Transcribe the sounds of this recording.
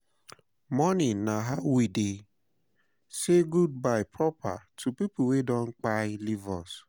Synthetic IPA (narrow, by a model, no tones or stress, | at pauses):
mɔnɪnaɦawide | seɡud̚baɪpʰɾɔpa̰tʰupip̩wedɔ̃ŋ̩k͡paɪlivɔs